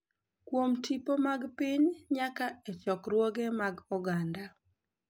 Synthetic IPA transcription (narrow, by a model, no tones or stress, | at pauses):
kwomtʰipomaɡpɪɲɲakaɛt͡ʃɔkɾwoɡɛmaɡɔɡanda